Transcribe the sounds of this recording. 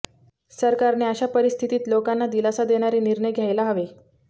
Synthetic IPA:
səɾkaɾneəɕapəɾist̪ʰit̪iːt̪lokanːad̪ilasad̪eɽ̃aɾiːniɾɳəjɡʱjajlaɦəʋe

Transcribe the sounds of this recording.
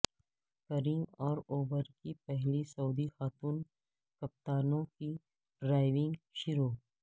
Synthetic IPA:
kɐɾɪ̃ŋɡɔːɾoːʋəɾkipɛɦlisɐuːd̪ixaːt̪uːn | kɐp̚t̪aːnõki | ɖɾaːɪʋɪ̃ŋɡʃʊɾoː

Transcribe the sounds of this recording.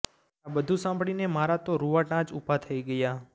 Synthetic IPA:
abəd̪ʱusãmbʱɽinemaɾat̪oɾuʋaʈãt͡ʃupat̪ʰəiɡəja

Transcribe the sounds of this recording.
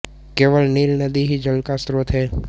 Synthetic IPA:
keːʋəlniːlnəd̪iɦid͡ʒəlkast̪ɾoːt̪ɦɛː

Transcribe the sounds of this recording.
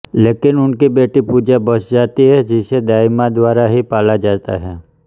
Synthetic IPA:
leːkɪnʊnkibeːʈipuːd͡ʒabəsd͡ʒaːt̪iɦɛd͡ʒɪsed̪aːjmãd̪ʋaːɾaɦipaːlad͡ʒaːt̪a̰ɦɛː

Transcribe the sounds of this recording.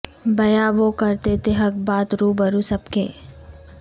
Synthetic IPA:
bɐjaʋokɐɾt̪et̪eɦɐk̚baːt̪ɾuːbɐɾusɐbkeː

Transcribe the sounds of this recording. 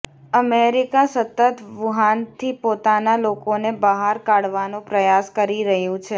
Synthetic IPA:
əmeɾikasət̪ːət̪ʋuɦant̪ʰipot̪analokonebəɦaɾkaɽʋanõpɾəjaskəɾiɾəɦjũt͡ʃʰe

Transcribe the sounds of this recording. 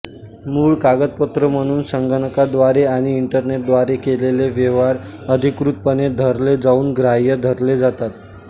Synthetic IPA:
muːɭkaɡət̪̚pət̪ɾəm̤əɽ̃uːnsəŋɡəɳəkad̪ʋaɾeaɽ̃iːɳʈəɾneʈ̚d̪ʋaɾekeleleʋjeʋaɾəd̪ʱikɾut̪̚pəned̪ʱəɾled͡zauːnɡɾajəd̪ʱəɾled͡zat̪at̪

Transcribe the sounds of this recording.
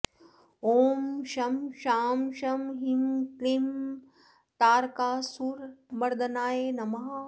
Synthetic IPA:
oːmʃɐmʃaːmʃɐmɦimklim | t̪aːɾkaːsuːɾbɐɾd̪ɐnaːjeːnɐmɐɦa

